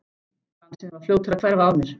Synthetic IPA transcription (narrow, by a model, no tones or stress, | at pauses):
asɛvaɾfljoːwt̪ɪɾakʰv̥ɛɾvawmɪɾ̥